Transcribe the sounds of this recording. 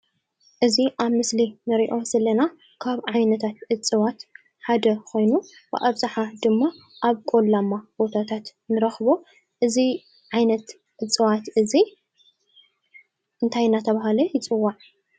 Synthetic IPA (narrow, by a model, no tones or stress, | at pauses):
ʔɨziʔaβmɨslinɨɾiʔo̞sɐlɐna | kʰaβʕajnɐt̪ʰat̪ʔɨt͡sʼɨwat̪ | ħad̪ɐkʰo̞jnubɨ̰ʔɐβzaħad̪ɨmːa | ʔaβkʼolːamːab̥o̞t̪ʰat̪ʰat̪nɨɾɐxβo̞ | ʔɨzi | ʕajnɐt̪ | ʔɨt͡sʼɨwat̪ɨzi | ʔɨnt̪ʰajnat̪ʰɐβahalɐjɪt͡sʼɨwːaʕ